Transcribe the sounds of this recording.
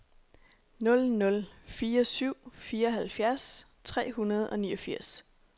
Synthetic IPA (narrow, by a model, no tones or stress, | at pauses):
nɔ̽lnɔ̽lfiːɐsyʊ̰fiːɐɒ̽ɦælfjæɐs | t͡sʰʁɛ̰ːhunɐð̞̩ˠɒ̽niːɒ̽fiɐ̰s